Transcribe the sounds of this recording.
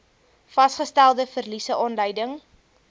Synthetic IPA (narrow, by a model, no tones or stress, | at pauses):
fɐsχəstælˠdəfərlisəʔɑːnlœjdəŋ